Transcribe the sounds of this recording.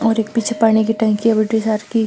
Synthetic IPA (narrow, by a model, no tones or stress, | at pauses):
ɔːɾeːk̚piːt͡ʃʰepaːɽ̃ikiʈɛ̃ːŋkiebɪʈisaːɾki